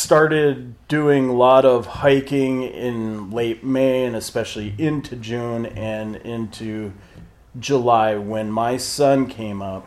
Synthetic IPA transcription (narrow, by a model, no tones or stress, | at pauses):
stɑɹɾɪd̚ | ʉɪ̃ŋlɔɾʌv̥haɪkɪ̃ŋɪ̰̃nleɪt̚meɪɨ̃nɨspɛʃl̩ˠiʔɪ̃ntʰʉd͡ʒʉ̃nɨ̃nɪ̃ntʰʉ | d͡ʒəlaɪwɨ̃nmaɪsʌ̃nkʰẽɪ̃mʌp̚